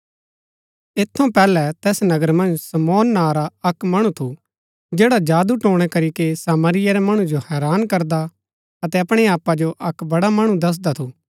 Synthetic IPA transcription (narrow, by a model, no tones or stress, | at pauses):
eːt̪ʰːõpɛːlɛt̪ɛːsnɐɡəɾmɐ̃nd͡ʒsɐmɔːnːaːɾaɐkmɐɽ̃ũt̪ʰu | d͡ʒeːɽad͡ʒaːd̪uʈõːɽ̃ɛkɐɾikesaːməɾɪjɛɾɛmɐɽ̃ũd͡ʒohɛːɾaːnkɐɾd̪a | ɐt̪ɛɐpɽ̃eaːpːad͡ʒoʔɐkbɐɽamɐɽ̃ũd̪ɐs̬d̪at̪ʰuː